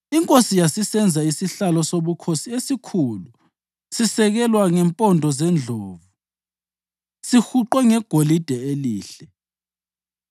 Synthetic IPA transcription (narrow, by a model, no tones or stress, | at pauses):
iŋkʼosijasisɛnd͡zʱaisiɬalɔsoβukʰosiesikʰuːlu | sisɛɣɛlwaŋɛmpʼɔndʱɔzɛnd͡ɮʱoːvu | sixuǃwɛŋɛɡ̥ʱolid̥ʱɛeliːɬɛ